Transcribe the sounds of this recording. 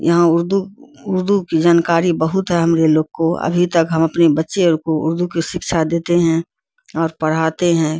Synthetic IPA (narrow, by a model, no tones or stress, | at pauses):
jɐɦãʊɾd̪u | ʊɾd̪ukid͡ʒaːnkaːɾibəɦʊt̪ɦɛɦɐmɾeloːɡ̚koə̰bʱit̪ɐkɦɐ̃mɐpnebɐtːʃeɾkoʊ̰ɾd̪ukiʃɪkʃʰad̪eːt̪eɦɛ̃ | ɔːɾpɐɽ̤aːt̪eɦɛ̃ː